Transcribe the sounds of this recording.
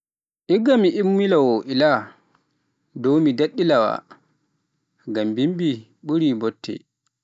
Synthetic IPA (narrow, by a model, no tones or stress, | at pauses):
ʔiɡːamiʔimːilawɔʔila | dɔwmidaɗːilawa̰ | ɡambimbi | ɓuɾibɔtʰːɛ̰